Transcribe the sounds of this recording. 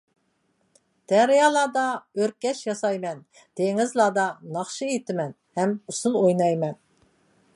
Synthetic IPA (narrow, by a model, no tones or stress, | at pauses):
d̪̥ɛɾɪjɑːlˠɑːd̪ɑøɾkʲɛʃjɑsɑjmɛn | d̪̥eŋɪzlˠɑːd̪ɑnɑχʃɨet̪ʰɪmɛn | hɛmusunˠojnɑjmɛn